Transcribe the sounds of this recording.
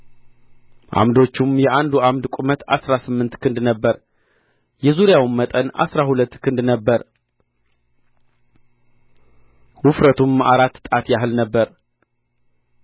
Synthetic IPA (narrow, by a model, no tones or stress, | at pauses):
ʔa̰md̪o̞t͡ʃːumjɛʔand̪uamd̪kʷʼumət̪a̰sɾasɨmːɨnt̪kʰɨnd̪nəbːəɾ | jɛzuɾjawmmːət̪ʼənʔa̰sɾahulət̪ːkʰɨnd̪nəbːəɾ | wʊfɾət̪ʰuma̰ɾat̪ːt̪ʼat̪jaɦɨlnəbːəɾ